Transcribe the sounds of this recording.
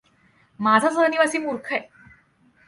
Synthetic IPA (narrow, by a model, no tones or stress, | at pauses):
mad͡zʱasəniʋasiːmuɾkʰəe